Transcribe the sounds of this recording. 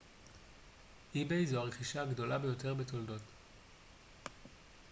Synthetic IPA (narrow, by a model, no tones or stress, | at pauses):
ʔibejzuaʁeχiʃaːɡdo̞labe̞jo̞te̞ʁbe̞to̞ldo̞t